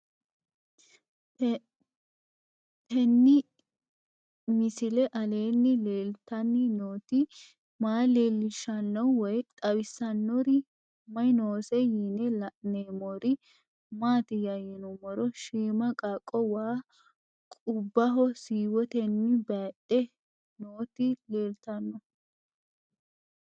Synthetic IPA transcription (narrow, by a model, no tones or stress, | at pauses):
tɛnːɪ | mɪsɪlɛʔɐle̞ːnːɪleːlt̪ɐnːɪnoːt̪ɪ | maːleːlːɪʃɐnːɔwɔjt̪ʼɐwɪsːɐnːɔɾɪ | mɐjnoːsɛjinɛlɐneːmɔɾɪ | maːt̪ɪjɐjɛnɔmɔɾɔʃiːmɐkʼakʼːɔwaː | kʼʊbːɐɦɔsiːwɔt̪ɛnːɪbɐɗɛ | noːt̪ɪleːlt̪ɐnːɔ